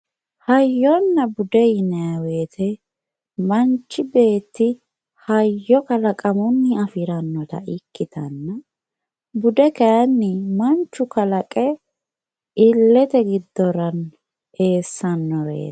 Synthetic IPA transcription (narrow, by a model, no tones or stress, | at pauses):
hɐjːɔnːɐbʊd̪ɛjɪnɐɐweːt̪ʰɛ | mɐnt͡ʃːɪbe̞ːt̪ːɪ | hɐjːɔkɐlɐkʼɐmʊnːɪɐfɪɾɐnːɔt̪ɐ̰ɪkːɪt̪ɐnːɐ | bʊd̪ɛkɐjɐnːɪmɐnt͡ʃːʊkɐlɐkʼɛ | ɪlːɛt̪ɛɡɪd̪ːɔɾɐn | e̞ːsːɐnːɔɾḛ̥ː